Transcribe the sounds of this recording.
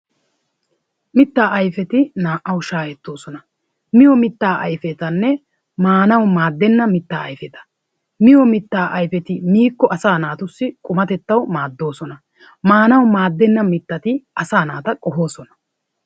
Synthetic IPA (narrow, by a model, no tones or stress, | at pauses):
mɪt̪ːaːʔɐjfɛt̪ɪnaːʔɐwʊʃaːjɛt̪ːo̞ːsɔnɐ | mɪjɔmɪt̪ːaːʔɐjfɛt̪ɐnːɛ | maːnɐwmaːd̪ːɛnːɐmɪt̪ːaːɐjfɛt̪ɐ̥ | mɪjɔmɪt̪ːaːʔɐjfɛt̪ɪmiːkːɔʔɐsaːnaːt̪ʊsːɪkʼʊmɐt̪ɛt̪ːɐwmaːd̪ːo̞ːsɔnɐ | maːnɐwmaːd̪ːɛnːɐmɪt̪ːɐt̪ɪɐsaːnaːt̪ɐkʼɔɦo̞ːsɔnɐ̥